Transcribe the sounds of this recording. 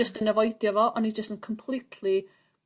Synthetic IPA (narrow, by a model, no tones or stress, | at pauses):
əstənəvɔjdjɔvɔʔɔnid͡ʒəstənkʰɔmpʰl̥ˠitʰli